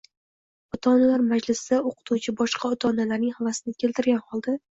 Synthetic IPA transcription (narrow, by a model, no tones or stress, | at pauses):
ɒt̪ʰɒnalaɾmad͡ʒlɪsd̪aoqʰɨ̥t̪ʰut͡ʃʰɪbɒʃqʰɑɒt̪ʰɒnalaɾnɪŋhavasɪnɪkʲʰe̞lt̪ʰɪɾɡʲanhɒlˠd̪a